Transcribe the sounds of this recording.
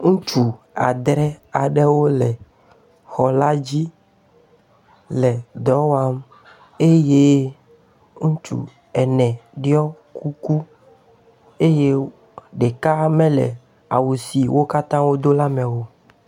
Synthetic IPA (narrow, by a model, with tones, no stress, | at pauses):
ŋũ˦t͡ʃu˦˨ | a˨d̪ɾɛ˦a˨ɖe˦wo˦lɛ˨ | xɔ˨la˦d͡ʑi˦ | lɛ˨d̪ɔ˨˦wa˦m | e˦je˦ | ŋũ˦t͡ʃṵ˨ | ɛ˨nɛ̃˨ɖi˦ɔ˦ | ku˦ku˦ | e˦je˦ | ɖe˨ka˦mɛ̃˦lɛ̰˨ | a̰˨wu˨si˨wo˦ka˦t̪ã˦wo˦d̪o˦la˦mẽ˨wo˦